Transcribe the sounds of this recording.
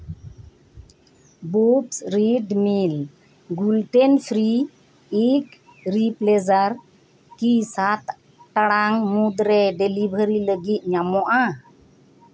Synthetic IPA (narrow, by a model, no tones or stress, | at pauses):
bupsɾiɖmil | ɡulʈɛnpʰɾiː | k | ɾiplɛzaɾ | kisat̪ | ʈaɽaŋmud̪ɾɛɖɛlibʱəɾiləɡit̪̚ˀɲamɔʔa